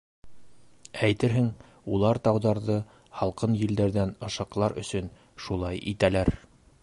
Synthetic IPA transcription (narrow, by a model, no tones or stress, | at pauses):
æjt̪ɘɾɦɘŋ | ulˠɑɾt̪ɑwðɑɾðɤ | hɑlˠqɤnjɘ̆ld̪æɾðænɤ̆ʃɑqlˠɑɾɵ̰̆sɵn | ʃulˠɑjʔit̪ælæɾ